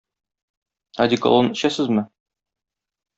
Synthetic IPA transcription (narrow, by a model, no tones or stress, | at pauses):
ad̪ʲiko̰lˠonɘ̆ɕæsɘzmɘ